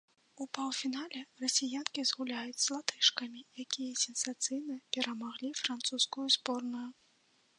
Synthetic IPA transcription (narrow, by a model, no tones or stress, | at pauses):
upawˠfʲinalʲɛrɐsʲijankʲizɣulʲajut͡sʲzlˠat̪ɨʂkɐmʲijakʲijɐsʲɛnsat̪sɨjnɐpʲɛɾɐmaɣlʲifɾant̪suskujuzbɔrnuju